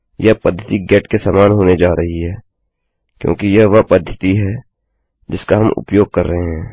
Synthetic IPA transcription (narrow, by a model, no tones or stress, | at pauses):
jɐpɐd̪ʱːət̪iɡɛːʈkesaːmaːnɦoːned͡ʒaːɾɐɦiɦɛː | kjõ̰ːkijɐɦʋɐpɐd̪ʱːət̪iɦɛː | d͡ʒɪskaɦɐmʊ̰pjoːɡ̚kɐɾːɐɦeɦɛ̃ː